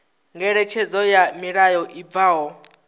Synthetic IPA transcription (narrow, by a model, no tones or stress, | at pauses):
ŋɡɛɺɛt͡ʃʰɛzɔjamiɺajɔʔib̪vaːɦɔ